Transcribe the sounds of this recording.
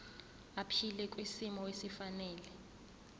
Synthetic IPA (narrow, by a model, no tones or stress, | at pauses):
apʰilɛkʼwisimɔwesifanɛːlɛ